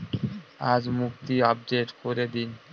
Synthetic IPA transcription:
ad͡ʑmukt̪iɔb̚ɖeʈkoɾed̪in

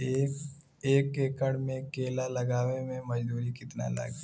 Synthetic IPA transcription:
ek | eːkːekəɽmẽkeːlalɐɡaːʋemẽmɐd͡ʒd̪uːɾikɪt̪na̰lɐ̰ɡ

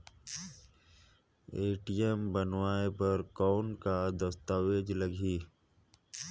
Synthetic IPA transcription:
eːʈijembənʋaːepəɾkɔːnkad̪əst̪aːʋeːd͡ʒləɡʱiː

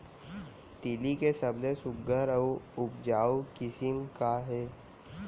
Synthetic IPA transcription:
t̪ilikesəblesʊɡəɾəuʊpd͡ʒaːwkɪsɪmkaɦɛː

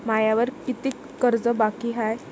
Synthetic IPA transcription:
majaʋəɾkit̪iː | kəɾd͡zəbakiɦaj

